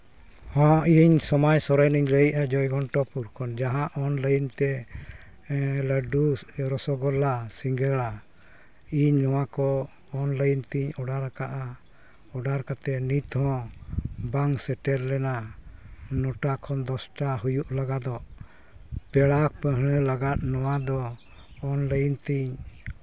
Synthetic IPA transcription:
hɔ̃ʔiɲsɔmajsɔɾajniɲləjʔad͡ʒɔjɡɔɳʈɔpuɾkʰɔnd͡ʒaɦãʔɔnləjnt̪ɛ | ləɖuɾɔsɔɡɔlːasiŋɡəɭa | iɲnɔwakɔː | nləjnt̪iɲɔɖaɾakaʔa | ɔɖaɾkat̪ɛnit̪hɔ̃ | baŋsɛʈɛɾlɛna | nɔʈakʰɔnd̪ɔsʈaɦujuʔlaɡad̪ɔʔ | pɛɽak̚pə̃ɦəɽ̃əlaɡat̪̚nɔwad̪ɔː | nləjint̪iɲ

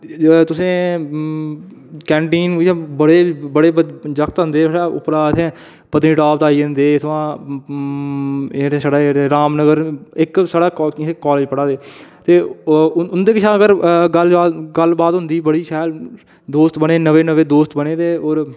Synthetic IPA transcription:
t̪ʊsẽː | kɛ̃ːɳʈiːnːɛ̃ːbəɽeːbəɽeːd͡ʒəkt̪ɦə̃nd̪eːɽaːʊ̰pɾaːt̪ʰẽ | pət̪niːʈaːpt̪aːiːɦə̃nd̪eːɪt̪ʰʋãː | ɾsaːɽaːɾeɾaːmnəɡəɾɪksaːɽaːekːɔːleːd͡ʒpəɽaːd̪eːt̪eːʊnd̪eːkɪt͡ʃʰãːəɡəɾɡəlaɡəlbaːt̪ɦʊnd̪iːbəɽiːʃɛːl | d̪oːst̪bəɽeːnəʋeːnəʋeːd̪oːst̪bəneːt̪eːoːɾ

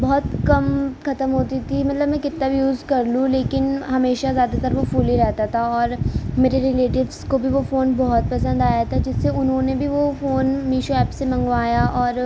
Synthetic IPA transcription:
bɔɦʊt̪kɐmkʰɐt̪əmɦoːt̪it̪ʰimɐt̪ləbmɛ̃kɪt̪nabʱijuːzkɐɾlũleːkɪnɦɐmeːʃazjaːd̪at̪ɐɾʋofuːliɾɛɦt̪at̪ʰaɔːɾmeːɾeɾɪleːʈɪʋzkobʱiʋofoːnbɔɦʊt̪̚pɐsə̃nd̪aːjat̪ʰad͡ʒɪsːeʊnɦõnebʱiʋofoːnmiːʃoɛːpsemɐ̃ŋɡʋaːjaʔɔːɾ

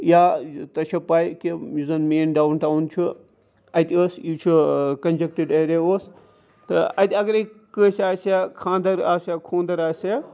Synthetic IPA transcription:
jaːt̪ɐt͡ʃʰɐpaːikimuzɐnmeːnɖaːunʈaːunt͡ʃʰu | ɐt̪ʲəsit͡ʃʰukɐnd͡ʒek̚ʈəɖeːɾeoːs | t̪ɐɐ̰t̪ʲiɐɡɐɾekəːsaːsakʰãːnd̪ɐɾaːsjakʰõːnd̪ɐɾaːsa

